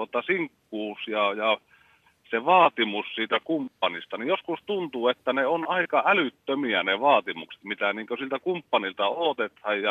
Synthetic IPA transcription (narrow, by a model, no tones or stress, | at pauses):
uot̪ɑsiŋkːuːsjɑjɑ | seʋɑːt̪imussiːt̪ækumpːɑnist̪ɑnijoskust̪unt̪uːet̪ːæneonɑˑikɑælyt̪ːømiæneʋɑːt̪imukse̥t̪mit̪æniːŋkøsilt̪ækumpːɑnilt̪ɑoːt̪et̪hɑjjɑ